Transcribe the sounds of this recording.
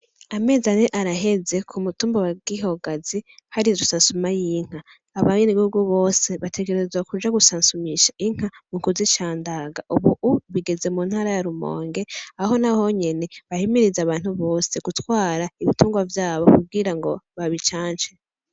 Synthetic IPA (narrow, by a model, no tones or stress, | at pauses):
ame̞ːzaneʔaɾaɦe̞ze̞kʰumutuːmbowaɡiɦo̞ɡazihaɾiɾusaːnsumajiŋ̥haː | βaɲeniβihuɡuβo̞ːse̞βatʰe̞ɡe̞ɾezwakud͡ʒaɡusaːnsumiʃaʔiŋ̥amuŋkuzit͡ʃaːndaɡaʔuβuʔuβiɡe̞ze̞muːnhaːɾajaɾumo̞̰ːŋɡe̞aɦo̞naho̞ɲe̞ne̞βahimiɾizaβaːn̥huβo̞ːseɡ̥utwaːɾaiβituːŋɡwavjaːβo̞kub̚ɡiɾaŋɡo̞βaβit͡ʃaːɲt͡ʃe